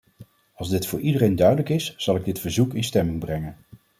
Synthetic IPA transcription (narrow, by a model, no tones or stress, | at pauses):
ɑlˠzdɪtfʊːɹʔidərejndœɥdələkɪsz̥ɑlˠɪɡ̚dɪtfəɹzukɪnstɛmɪŋbrɛŋən